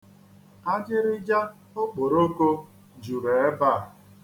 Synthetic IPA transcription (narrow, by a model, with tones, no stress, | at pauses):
a˦d͡ʒɪ˦ɾɪ˦d͡ʒa˦ | o˦k͡po˨ɾo˦ko˦ | d͡ʒu˨ɾe˨e˦ba˦˨